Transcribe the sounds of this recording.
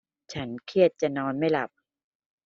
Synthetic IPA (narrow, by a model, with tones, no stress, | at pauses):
t͡ɕʰa˦˥nkʰi˥˩ət̪̚t͡ɕa˨˩nɔː˧nma˥˩jla˨˩p̚